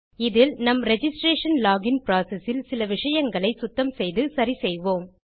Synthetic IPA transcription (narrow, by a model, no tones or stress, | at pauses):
ɪðɪlnɐmɾɛd͡ʒɪsʈɾeːʂɐnlaːɡɪnpɾaːsɛsɪlsɪlɐʋɪʂɐjɐŋɡɐɭɐɪsʊt̪ːɐmsɛjðɯsɐɾisɛjʋoːm